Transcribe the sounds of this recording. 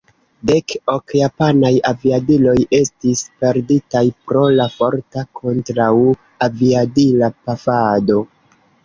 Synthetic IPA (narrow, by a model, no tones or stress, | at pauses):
de̞kokjapanajaviadilo̞je̞stispe̞ɾditajpɾo̞lafo̞ɾtakʰo̞ntɾaw | aviadilapafado̞